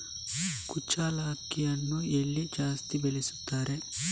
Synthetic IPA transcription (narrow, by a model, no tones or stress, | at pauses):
kut͡ʃːaːlaːkːɪjɐnːujɛlːid͡ʒaːst̪ibɛlisu̥t̪ːaːɾe